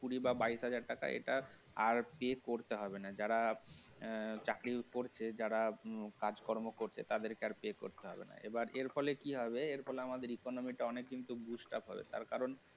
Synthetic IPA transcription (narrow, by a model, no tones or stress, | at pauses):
puɽibabajsɦad͡ʑaɾʈaka̰ʔḛʈa | aɾpekoɾt̪eɦɔbenad͡ʑaɽa | t͡ɕakɾikoɾt͡ɕʰed͡ʑaɽakad͡ʑkɔɾmokoɾt͡ɕʰḛt̪ad̪eɾkeaɾpeko̰ɾt̪eɦɔ̰bḛna̰ḛbaɾʔeɾfɔlekiɦɔbeeɾfʰɔleamad̪eɾikonomiʈaɔnekːint̪uɡud͡ʑʈa̰pɦɔbḛt̪a̰ɾkaɾon